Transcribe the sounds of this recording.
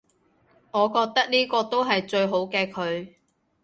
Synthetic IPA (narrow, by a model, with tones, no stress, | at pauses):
ŋɔː˨˧kɔː˧k̚t̪ɐ˥k̚niː˥kɔː˧t̪o˥wɦɐ˨jt͡ʃɵ˧ɥɦo˨˥wkɛː˧kʰɵ˨˧ɥ